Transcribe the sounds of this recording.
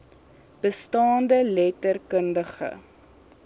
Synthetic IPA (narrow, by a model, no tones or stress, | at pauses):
b̥əstɑːndəlɛtərkəndəχə̰